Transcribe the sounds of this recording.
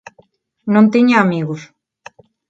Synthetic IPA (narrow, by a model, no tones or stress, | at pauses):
nõnt̪iɲaamiɣʊs